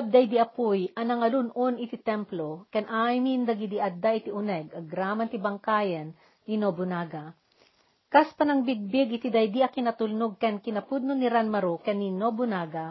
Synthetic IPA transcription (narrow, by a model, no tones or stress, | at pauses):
ɐb̚d̪ɐjd̪iʔɐpujʔɐnɐŋɐlunʔonɪt̪it̪ɛmplokɐnʔajmind̪ɐɡid̪iʔɐd̪ːaʔɪt̪iʊnɛɡɐɡɾaːmɐnt̪ibɐŋkaːjɐnː | inobʊnaːɡa | kaspɐnɐŋbɪɡ̚bɪɡɪt̪id̪ɐjd̪iʔɐkɪnɐt̪ʊlnoɡ̚kɐnkɪnɐpʊd̪̚nonɪɾanmɐɾokɐninobʊnaːɡa